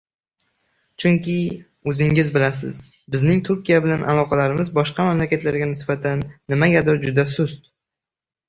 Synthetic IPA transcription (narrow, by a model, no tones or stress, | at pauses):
t͡ʃʰʊŋkʲʰɪ | ɵzɪŋɪzbɪlasɪ̰z | bɪznɪŋt̪ʰʊɾkʲijabɪlanʔa̰lˠɒqʰɑlaɾɪmɪzbɒʃqɑmamlakʲʰat̪ʰlaɾɡʲanɪsbat̪ʰanːɪmaɡʲad̪ɒɾd͡ʒʊd̪asʊst̪̚